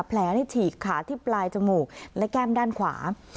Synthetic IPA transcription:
pʰlɛː˩˦na˧˩t͡ɕʰiː˨˩kʰːaː˩˦t̪ʰiː˥˩plaː˧jt͡ɕa˧muː˨˩k̚lɛ˦˥kɛː˥˩mdaː˥˩nkʰwa̰ː˩˦

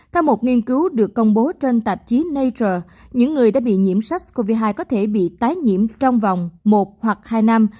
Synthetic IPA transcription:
t̪ʰɛ˧wmo˨˩t̚ŋi˧ənkɨ˨˦wɗɨ˨˩əkːə˧wŋ͡mɓo˨˦t͡ɕe˧nt̪ə˨˩p̚t͡ɕi˨˦nə˧jt͡ɕəː˨˩ | ɲɨ̰˧˥ŋːɨ˨˩əjɗa̰ː˧˥ɓḭ˧˨ɲḭ˧˨əmsa˦˥k̟̚ko˧vi˧ɦaː˧jkɔ˨˦t̪ʰe˧˩ɓḭ˧˨t̪aː˨˦jɲḭ˧˨əmt͡ɕɔ˧wŋ͡mva˨˩wŋ͡mmo˨˩t̚hwa˨˩k̚haː˧jna˧m

